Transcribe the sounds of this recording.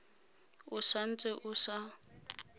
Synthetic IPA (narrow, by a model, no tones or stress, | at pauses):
ʊsan̩t͡sʼɪʔʊsa